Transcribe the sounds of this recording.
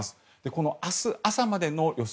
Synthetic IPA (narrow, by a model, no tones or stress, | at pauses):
sɨ̥ | d̪̥e̞ko̞no̞asɨasamad̪e̞no̞jo̞s